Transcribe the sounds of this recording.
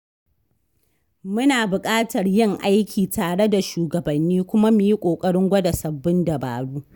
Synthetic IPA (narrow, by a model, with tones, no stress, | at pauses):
mʊ˦naː˨bʊ˨kʼaː˦tɐ˨rjɪ˦ŋʔa˦jkʲʰiː˨taː˨ɽe˦da˨ʃuː˨ɡɐ˨bɐ˨nːiː˦kʷʊ˦ma˦mi˨ji˦kʷʼoː˨kʼɐ˦ɽɪ˦ŋɡʷɐ˦da˨sɐ˨bːɪ˦ndɐ˨ba̰ː˨ɽuː˦